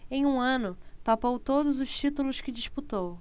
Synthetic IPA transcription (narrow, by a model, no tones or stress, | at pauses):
ẽj̃ũɐ̃nʊpapowt̪od̪ʊzʊʃt͡ʃit̪ulʊskɪd͡ʒiʃput̪ow